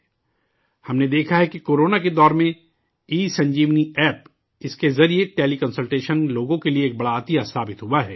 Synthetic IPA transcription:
hɐmned̪eːkʰaɦɛkikoːɾoːnaked̪ɔːɾmẽ | iːsɐ̃ɲd͡ʒiːʋniɛːp | ɪskezɐɾieʈeːlikɐ̃nsəlʈeːʃənloːɡõkelieːk̚bɐɽaːt̪ijasaːbɪt̪ɦuaɦɛː

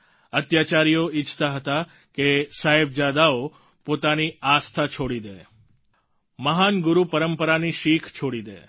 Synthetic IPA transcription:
ət̪jat͡ʃaɾijoit͡ʃt̪aɦət̪a | kesaɦeb̚d͡ʒad̪ao | pot̪aniast̪ʰat͡ʃʰoɽid̪e | məɦanɡʊɾupəɾəmpəɾaniʃikʰt͡ʃʰoɽid̪ḛ

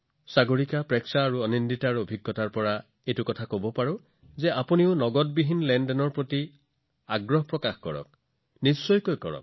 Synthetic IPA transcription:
saɡoɹikapɹɛksaːɹuɔninditaɹuobʱiɡːɔtaɹpɔɹa | ejtukɔtʰakobɔpaɹɔ | zeapuniʊnɔɡɔt̚biɦinlɛndɛnɔɹpɹoti | aɡɹɔɦpɹɔkaxkɔ̰ɹɔ̰k̚ | nisːɔjkojkɔ̰ɹɔ̰k̚

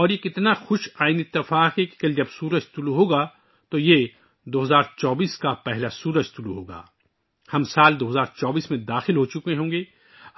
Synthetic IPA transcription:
ɔːɾjekɪt̪naxʊʃaːɪniɪt̪ːɪfaːqɦeki̥kɐld͡ʒɐbsuːɾəd͡ʒt̪ʊluɦoːɡa | t̪oje | d̪oːɦɐzaːɾt͡ʃɔːbiːskapɛɦlasuːɾəd͡ʒt̪ʊluɦoːɡa̰ː | hɐmsaːld̪oːɦɐzaːɾt͡ʃɔːbiːsmẽd̪aːxɪlɦot͡ʃʊkẽɦõːɡeː

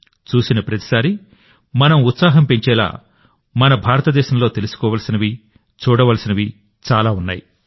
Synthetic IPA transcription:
t͡ʃuːsinɐpɾɐt̪i̥saːɾi | mɐnɐmut̪saːɦɐmpe̞ɲt͡ʃɛːla̰ː | mɐnɐbʱaːɾɐt̪ɐd̪ɛːʃɐmloːt̪elusu̥kɔːʋɐlsinɐʋi | t͡ʃuːɽɐʋɐlsinɐʋi | t͡ʃaːlaːunːa̰ːji

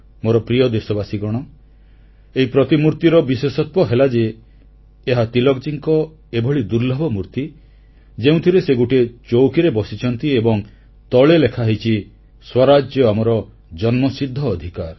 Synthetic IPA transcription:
moɾɔpɾijɔd̪esɔbasiɡɔɽ̃ɔ | eɦipɾɔt̪imuɾt̪iɾɔbiswesɔt̪̚wɔɦelad͡ʒeː | ɦat̪ilɔɡ̚d͡ʒiŋkɔ | ebʱɔɭid̪uɾlɔbʱɔmuɾt̪i | d͡ʒeũt̪ʰiɾeseɡuʈet͡ʃowkiɾebɔsit͡ʃʰɔnt̪iebɔŋ | t̪ɔɭelekʰaɦet͡ʃʰi | swɔɾad͡ʒjɔamɔɾɔ | d͡ʒɔnmɔsid̪ʱːɔːd̪ʱikaɾ

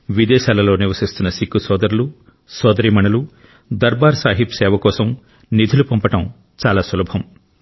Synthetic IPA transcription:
ʋid̪ɛːʃaːlɐlo̞ːniɾʋɐsist̪unːɐsikːusɔːd̪ɐɾulu | sɔːd̪ɐɾimɐnɐlu | d̪ɐɾbaːɾsaːɦipsɛːʋɐkɔːsɐm | nid̪ʱulupɐmpɐʈɐm | t͡ʃaːlaːsulɐbʱɐm

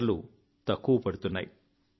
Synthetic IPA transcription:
lu | t̪ɐkːupɐɽut̪unːa̰ːji

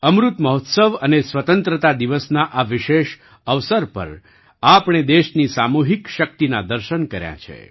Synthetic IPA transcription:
əmɾut̪məɦɔt̪səʋənesʋət̪ənt̪ɾət̪ad̪iʋəsnaʔaʋɪʃeʃ | əʋsəɾpə̰ɾ | apɳ̃ed̪eʃnisamuɦikʃək̚t̪inad̪əɾʃənkəɾjã̰t͡ʃʰḛ

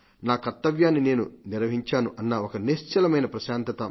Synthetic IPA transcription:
naːkɐɾt̪ːɐʋjaːnːine̞ːnuniɾʋɐɦiɲt͡ʃaːnuʔɐnːɐokɐneʃt͡ʃɐlɐmɐjnɐpɾɐʃaːnt̪ɐt̪ɐ

